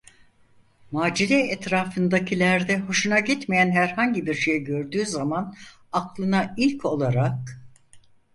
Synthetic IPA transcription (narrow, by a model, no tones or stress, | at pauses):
maːd͡ʒiɾɛɛt̪ɾaːfɯnd̪acʰilʲæɾd̪ɛho̞ʃunaɟit̪mejænɦæɾhaɲɟibiɾʃejɛɟø̞ɾd̪yːzaman | aklˠɯnailʲcʰo̞lˠaɾak̚